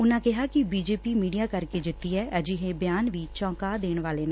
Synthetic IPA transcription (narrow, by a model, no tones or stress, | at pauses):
ʊnãːkɪɦaːkɪbiːd͡ʒeːpiːmiːɖijaːkəɾkeːd͡ʒɪt̪ːiːɦɛːʔəd͡ʒiɦebjaːnʋiːt͡ʃɔ̃ːkaːd̪eːɳʋaːleːnãː